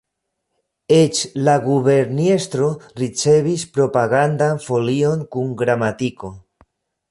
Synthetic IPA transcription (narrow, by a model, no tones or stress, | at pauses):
et͡ʃlaɡuβeɾnest̪ɾo̞ɾit͡se̞βispɾo̞paɣand̪anfo̞lio̞ŋkuŋɡɾamat̪iko̞